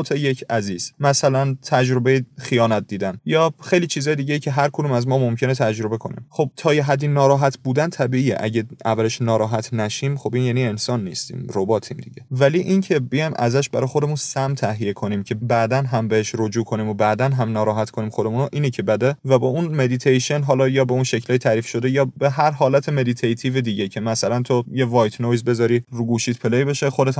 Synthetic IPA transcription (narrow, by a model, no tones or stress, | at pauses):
t̪ʰeje̞cʰæziːz̥mæsælænt̪ʰæd͡ʒɾo̞be̞jexijɒːnæt̪̚d̪iːd̪ænjɒːxe̞jliːt͡ʃʰiːzɒːjed̪iɟeiːcʰeɦæɾkʰo̞d̪umæzmɒːmomcʰe̞net̪ʰæd͡ʒɾo̞be̞kʰo̞nḭːmxo̞b̚t̪ʰɒːjeɦæd̪ːinɒːɾɒːɦæt̪ʰbuːd̪ænt̪ʰæbiːiːḛʔæɟeʔæ̰væleʃnɒːɾɒːɦæt̪ʰnæʃiːmχo̞binjæniensɒːnːḭːst̪ḭːmɾobɒːt̪ʰimd̪iɟe̞væliʔincʰe̞bejɒjmʔæ̰zæʃbæɾɒːjxo̞d̪e̞munsæmt̪ʰæɦije̞kʰo̞niːmcʰe̞bæd̪ænɦæmbeheʃɾod͡ʒuːkʰo̞niːmobæd̪ænɦæmnɒːɾɒːɦæt̪ko̞niːmxo̞d̪emunoʔiːnecʰebæd̪evæbɒunme̞d̪it̪ʰejʃenɦɒːlɒːjɒːbeunʃe̞cʰlɒːjet̪ʰæːɾifʃo̞d̪e̞jɒːbeɦæɾɦɒːlæt̪ʰeme̞d̪it̪ʰejt̪ʰiːved̪iːɟecʰemæsælænt̪ʰojevɒːjt̪ʰnojzbe̞zɒːɾiɾuɡuːʃiːt̪pʰelejbe̞ʃexo̞d̪e̞t̪